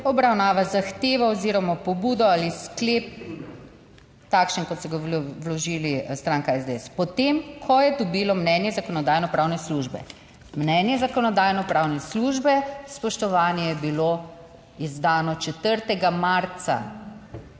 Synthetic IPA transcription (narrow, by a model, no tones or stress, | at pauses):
ɔbɾawnaːʋazaxt̪eːʋaɔziɾɔmapɔbuːd̪ɔaːlisklep̚ | t̪akʃənkɔt̪sɔɡawlɔʒilist̪ɾaːŋkaɛzd̪eɛspɔt̪emkʰɔjɛd̪ɔbilɔmnɛnjɛzakɔnɔd̪aːjnɔpɾaːwnɛsluʒbɛ̰ | mnɛnjɛzakɔnɔd̪aːjnɔpɾawnɛsluʒbɛspɔʃt̪ɔʋaːnjɛjɛbilo | izd̪aːnɔt͡ʃɛt̪əɾt̪ɛɡamaɾt̪sa̰